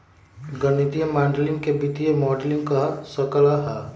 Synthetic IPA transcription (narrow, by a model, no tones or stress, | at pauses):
ɡənit̪ijəmaːɳɖlɪ̃ŋɡkebɪt̪ijemɔːɖlɪ̃ŋɡkasɐkəlaɦa